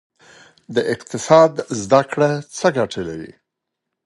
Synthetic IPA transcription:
d̪əʔɪq̚t̪ɪsɑd̪zd̪akɽat͡səɡaʈʰəlawḭ

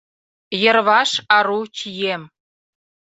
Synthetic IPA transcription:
jə̆rβɑʃɑɾut͡ɕijem

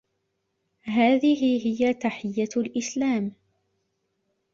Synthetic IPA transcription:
ɦaːðɪhɪɦɪjat̪aħɪjːalʔɪslaːm

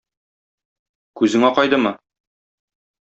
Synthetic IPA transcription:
kʉzɘ̆ŋæqɒjd̪ɤmɤ

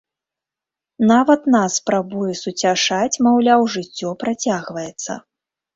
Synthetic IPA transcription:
navɐt̪naspɾabujɛsut͡sʲaʂat͡sʲmawlʲawʐɨt͡sʲːɔpɾat͡sʲaɣvɐjɛt̪sːɐ̰

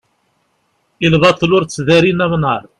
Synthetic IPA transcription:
ilðˤɑθˤlʊɾt͡sːðæɾinæmnɑɾˤ

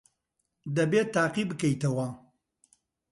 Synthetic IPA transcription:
d̪ɐbeːt̪aːqibɨkɐjt̪ɐwɐ

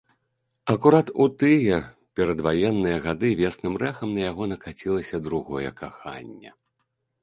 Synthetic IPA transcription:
ɐkuɾat̪ut̪ɨjɛ | pʲɛɾɐd̪vajɛnːɨjɐɣad̪ɨvʲɛsnɨmrɛxɐmnɐjaɣɔnɐkat͡sʲilˠɐsʲɐd̪ɾuɣɔjɛ̰kaxa̰nʲːɛ̰

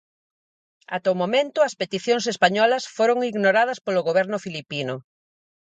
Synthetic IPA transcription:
a̰t̪aumomẽnt̪ʊɐspet̪iθjoŋsespaɲɔlɐsfoɾoŋiɣnoɾaðɐspolʊɣoβ̞ɛɾnʊfilipinʊ

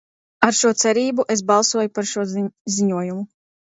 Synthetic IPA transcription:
aɾʃuɔt̪sɛɾiːbuʔes̬bɑlˠsuɔjupaɾʃuɔziɲuɔjumu

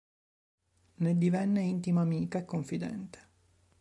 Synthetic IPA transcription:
ned̪ivɛnːeint̪imaːmiːkaekːoɱfid̪ɛ̰nt̪e̥

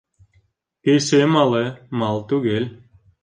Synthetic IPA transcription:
kesemɑlˠemɑlˠt̪uɡelʲ

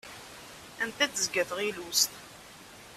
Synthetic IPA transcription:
ænt̪æd̪əzɡæθʁilust̪

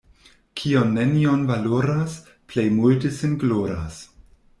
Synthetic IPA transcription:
kʰionːenionvaloɾas | plejmultesinɡloɾa̰s

